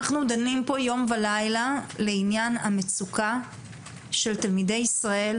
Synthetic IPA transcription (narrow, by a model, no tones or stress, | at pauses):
aχnud̪animpo̞jo̞mvalajlale̞injanamet͡sukʰa | ʃe̞ltalmide̞jisʁae̞l